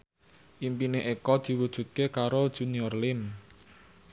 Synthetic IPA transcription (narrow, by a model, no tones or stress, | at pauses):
ʔimpineʔekɔd̪̥i̤wud̥ʒ̥ṳt̪̚kekaɾod̥ʒ̥ṳniɔrlɪm